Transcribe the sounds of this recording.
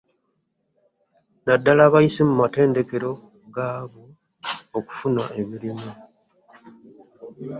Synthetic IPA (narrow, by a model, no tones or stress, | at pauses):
nadːalaːβajisimumate̞ːnde̞ke̞ɾo̞ | ɡaːβoː | ku̥funaʔe̞βiɾimu